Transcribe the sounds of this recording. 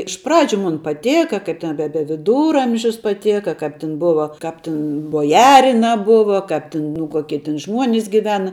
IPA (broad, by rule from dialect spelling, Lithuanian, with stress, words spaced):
ɪʃ ˈprɑːd͡ʒʲʊ ˈmʊn pɐˈtʲeːkɐ ˈkɐɪp tʲɛn bʲɛ bʲɛ ʋʲɪˈduːrɐmʲʒʲʊs pɐˈtʲeːkɐ ˈkɐp tʲɛn ˈbʊʋɐ ˈkɐp tʲɪn boːˈjæːrʲɪnɐ ˈbʊʋɐ kɐp tʲɪn nʊ ˈkuɔkʲiɛ tʲɪn ˈʒmuɔnʲɪs ɡʲɪˈʋʲæːnɐ